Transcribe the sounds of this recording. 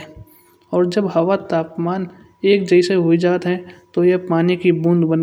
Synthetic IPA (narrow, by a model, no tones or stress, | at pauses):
ɔːɾd͡ʒɐbɦɐʋat̪aːpmaːn | eːk̚d͡ʒəɪseɦʊid͡ʒaːt̪ɦɛ̃t̪ojepaːnikibũːnd̪bən